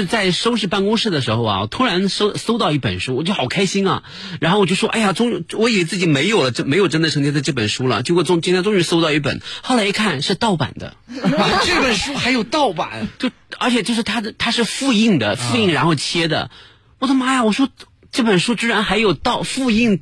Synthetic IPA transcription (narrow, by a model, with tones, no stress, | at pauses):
ɻ̩˥˧t͡sa˥˩ɪʂo˥ʊʂ̬ɻ̩˥˧pa˥˧nkʊ˥ŋʂɻ̩˥˩d̪ə˩ʂɻ̩˧˥xo˧ʊɐ̰˨˩t̪ʰu˥ɻa˧˥nso˥ʊso˥ʊt̪ɑ˥˧ʊi˥˩pə̰˨˩nʂu˥wɔ˨˩t͡ɕo˥˩xɑ˨˩kʰa˥ɪɕi˥nɐ̰˨ | ɻa˧˥nxo˥˩ʊwɔ˨t͡ɕjʂwɔ˥ʔa̰˥˩ja˨˩ʈ͡ʂʊ˥ŋ˧˥wɔ˧˥i˨˩˨e˧˥t͡sɹ̩˥˩t͡ɕi˧˩me˧˥ɪjo˨˩ʊlə˦ʈ͡ʂə˥˩me˧˥ɪjʊʈ͡ʂə˥nd̪ə˨ʈ͡ʂʰɤ˧˥ŋt͡ɕʰɛ˥t͡sa˥˧ʈ͡ʂɤ˥˩pə˨˩nʂu˥lə̰˨t͡ɕo˥˧kɔ˥˩ʈ͡ʂʊ˥˧ŋt͡ɕi˥nt̪ʰʈ͡ʂʊ˥ŋy˧˥so˥ʊt̪ɑ˥˧ʊi˥˩pə̰˨˩˦nxɑ˥˩ʊla˧˥ɪi˥˧kʰa˥˧nʂɻ̩˥˧t̪ɑ˥˩ʊpa̰˨˩nd̪ə̰˦ʈ͡ʂɤ˥˩pə˨˩nʂu˥xa˧˥ɪjo˨˩ʊt̪ɑ˥˩ʊpa̰˨˩˦nt͡ɕjo˥˩ʊ | ə˞˧˥t͡ɕʰɛ˨˩t͡ɕjʂɻ̩˥˩t̪ʰa˥˧t̪ʰa˥ʂɻ̩˥˧fu˥˧i˥˩ŋd̪ə̰˩fu˥˧i˥˩ŋɻa˧˥nxo˥˧ʊt͡ɕʰjɛ˥d̪ə̰˨ | ɔ˥˩d̪ə˧˥ma˥ja˨˧wɔ˨˩ʂwɔ˥ | ʈ͡ʂɤ˥˩pə˨˩nʂu˥ʈ͡ʂ̩˥ɻa˧˥nxa˧˥ɪjo˨˩ʊt̪ɑ˥˧ʊfu˥˧i˥˩ŋ